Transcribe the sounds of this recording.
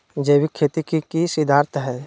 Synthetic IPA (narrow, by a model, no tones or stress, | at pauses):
d͡ʒeːbikʰːeːt̪ikikisɪd̪ʱaːɾt̪ɦɛː